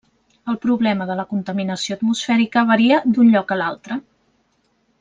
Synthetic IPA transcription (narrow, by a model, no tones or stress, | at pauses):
əlˠpɾuβlɛməðələkunt̪əminəsioət̪musfɛɾikəβ̞əɾiəd̪unʎɔkəlalˠt̪ɾə